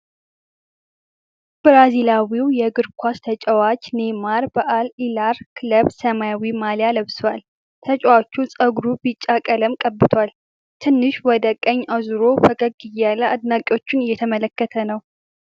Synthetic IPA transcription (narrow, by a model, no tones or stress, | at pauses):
b̥ɾazilawiwjɛɡɨɾkʷʰast̪ʰət͡ʃʼɛwat͡ʃnemaɾbəʔalilaɾkʰɨləβsəmajawimaljaləβswal | t̪ʰət͡ʃʼwat͡ʃːusʼəɡɾubɨt͡ʃʼːakʼələmkʼəbːɨt̪ʰwal | t̪ʰɨnːɨʃwɔd̪əkʼːəɲːʔazuɾofəkʼəɡ̚ɡɨjalːəad̪nakʼo̞t͡ʃːɪnɨjːɛt̪ʰəmələkːət̪ʰənəw